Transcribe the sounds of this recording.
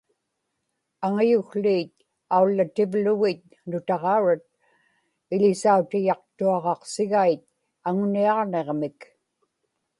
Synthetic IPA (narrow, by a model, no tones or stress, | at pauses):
aŋajʊxliːt̪̚ | aulːat̪ɪvlʊɣɪt̪̚ | nʊt̪ɑʁɑuɻat̪̚ | ɪʎɪsaut̪ɪjɑq̚t̪uɑʁɑqsɪɣait̪̚ | aŋʊniɑʁneʁmɪk